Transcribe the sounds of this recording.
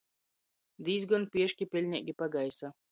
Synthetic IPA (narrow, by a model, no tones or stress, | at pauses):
d̪iːzɡɔnpiɛʃkʲipʲɛlʲɲʲɛʔɡʲipaɡajsa